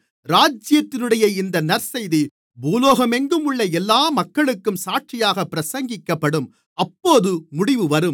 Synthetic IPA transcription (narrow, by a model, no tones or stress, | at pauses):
ɾaːd͡ʒɪjɐt̪ːɪnɯɽɐjɐɪɪnd̪ɐnɐɾsɐjði | buːloːɣɐmɛŋɡɯmɯɭːɐɛlːaːmɐkːɐɭɯkːɯmsaːʈ̚t͡ʃɪjaːɣɐpːɪɾɐsɐŋɡɪkːɐpːɐɽɯm | ɐpːoːðɯmʊɽɪʋɯʋɐɾɯm